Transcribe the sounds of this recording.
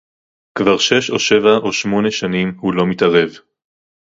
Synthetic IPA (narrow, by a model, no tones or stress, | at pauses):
kvaʁʃe̞ʃo̰ʃe̞vaʔo̞ʃmo̞ne̞ʃanimhulo̞mitaʁe̞v